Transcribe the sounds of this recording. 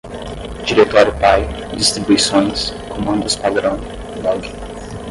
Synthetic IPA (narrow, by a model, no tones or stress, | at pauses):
d͡ʒiɾet̪ɔɾʊpajd͡ʒist̪ɾibuisõj̃skʰomɐ̃nd̪ʊspad̪ɾɐ̃w̃ | bɔɡɪ